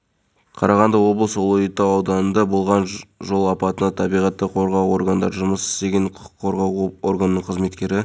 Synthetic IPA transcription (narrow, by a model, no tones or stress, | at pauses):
qʰɑɾɑʁɑnd̪ɑwo̞blˠəswolˠʊjət̪ːɑɑwd̪ɑnənd̪ɑbʊlˠʁɑnʒo̞lˠɑpɑt̪ənɑəɑbijʁɑt̪ːəqʰo̞ɾʁɑwo̞ɾɡand̪ɑɾʒʊməsɪ̥st̪e̞ɡʲenqʰʊqʰʊ̥qʰːo̞ɾʁɑworɡanənəɴqʰəzme̞t̪kʲe̞ɾɪ